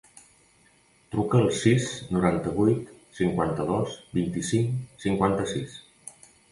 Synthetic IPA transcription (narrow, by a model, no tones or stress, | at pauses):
t̪ɾukəːlˠsisnuɾant̪əβujt̪siŋkwant̪əðɔsbint̪isiŋsiŋkwant̪əsis